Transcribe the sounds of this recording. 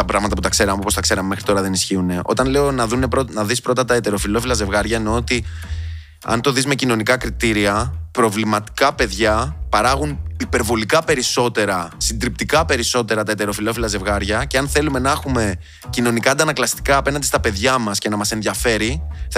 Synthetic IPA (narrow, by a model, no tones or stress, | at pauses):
ɐpɾɐɣmɐt̪ɐput̪ɐkse̞ɾɐmepo̞st̪ɐkse̞ɾɐmee̞xɾit̪o̞ɾɐðenisçiune̞ʔo̞̰t̪ɐnle̞o̞nɐðune̞pɾonɐðispɾo̞t̪ɐt̪ɐet̪e̞ɾo̞filo̞filɐze̞vɣɐɾʝɐino̞t̪i | ɐ̰nt̪o̞ðizme̞cino̞nikɐkɾit̪iɾiɐpɾo̞vlimɐt̪i̥kɐpe̞ðʝɐpɐɾɐɣunipe̞ɾvo̞likɐpe̞ɾiso̞t̪e̞ɾɐsind̪ɾip̚t̪ikɐpe̞ɾiso̞t̪e̞ɾɐt̪ɐet̪e̞ɾo̞filo̞filɐze̞vɣɐɾʝɐceɐnθe̞lume̞nɐexume̞ | cino̞nikɐːnd̪ɐnɐklɐst̪i̥kɐːpe̞nɐnd̪ist̪ɐpe̞ðʝɐmɐsce̞nɐmɐse̞nðʝɐfe̞ɾi